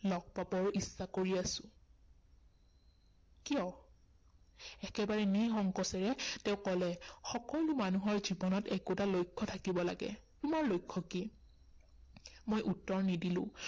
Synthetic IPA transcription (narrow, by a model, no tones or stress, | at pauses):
lɔɡ̚pabɔɹisːakoɹiasʊ̥̃ | kiɔ | ɛkɛbaɹɛnixɔŋkɔsɛɹɛtɛʊ̃kɔlɛxɔkɔlumanuɦɔɹzibɔnɔtɛkutalojkʰːɔtʰakibɔla̰ɡɛ̰tumaɹlojkʰːɔki | mojʔutːɔɹnidilʊ̰̃